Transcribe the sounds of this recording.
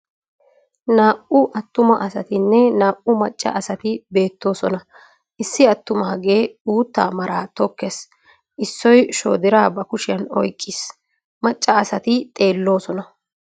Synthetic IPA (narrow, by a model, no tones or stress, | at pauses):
naːʔʊʔɐt̪ːʊmɐʔɐsɐt̪ɪnːɛnaːʔʊmɐt͡ʃʼːɐ̰ʔɐsɐt̪ɪbe̞ːt̪ːo̞ːsɔnɐ | ʔɪsːɪɐt̪ːʊmɐhɐɡe̞ːuːt̪ːa̰ːmɐɾaːt̪ɔkːes | ʔɪsːɔjʃo̰ːd̪ɪɾaːbɐkʊʃɪjɐnɔ̰jkʼːɪs | mɐt͡ʃʼːɐːsɐt̪ɪt̪ʼe̞ːlːo̞ːsɔnɐ